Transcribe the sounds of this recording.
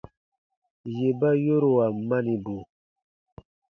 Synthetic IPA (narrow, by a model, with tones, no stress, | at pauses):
je˨ba˦jo˦ɾo˨wa˨ma˦ni˨bo˨